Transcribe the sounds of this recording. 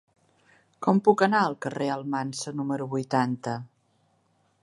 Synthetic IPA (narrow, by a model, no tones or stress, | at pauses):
kɔmpukənaəlˠkəreəlˠmansənuməɾuβujt̪ant̪ə